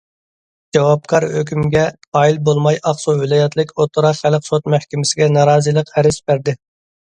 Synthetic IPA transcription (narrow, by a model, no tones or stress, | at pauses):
d͡ʒɑwɑp̚kʰɑɾhøkʲymɡʲɛ | ɑːilbolˠmɑjɑqsuvɪlˠɑːjɛt̪lɪkʲot̪ʰʊɾɑχælqsot̪mæhkʲɪmɪsɪɡʲɛnɑɾɑːzɨlˠəqæɾɪsbæɾd̪ɪ